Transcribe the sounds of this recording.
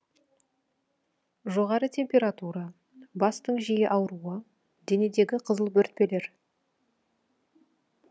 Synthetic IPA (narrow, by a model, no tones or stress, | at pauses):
ʒoʁɑɾət̪ʰe̞mpʲe̞ɾat̪uɾɑ | bɑst̪əɴʒijɪʔɑwɾuə | d̪e̞ne̞d̪e̞ɡʲɪqʰəzəlˠbɵɾɪt̪̚pe̞le̞ɾ